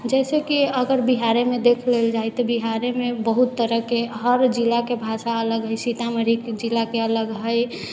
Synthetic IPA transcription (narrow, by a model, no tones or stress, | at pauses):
d͡ʒɛːsekiəɡəɾbiɦaɾemẽd̪ekʰleld͡ʒajt̪ɔbiɦaɾemẽbəɦut̪ːəɾəɦkeɦəɾd͡ʒilakebʱaʃaələɡɦəjsit̪aməɾikd͡ʒilakeələɡɦəj